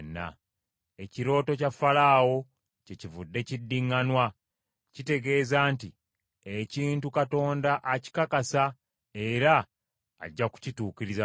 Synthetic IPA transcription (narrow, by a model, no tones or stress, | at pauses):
nːa̰ | e̞ciɾo̞ːto̞cafalaːwo̞ | cecivudːe̞cidːiŋːanwa | cite̞ɡe̞ːzaːnti | eciːntukato̞ːndaʔaci̥kakasa | e̞ɾa̰ː | ɟːaku̥cituːkiɾiza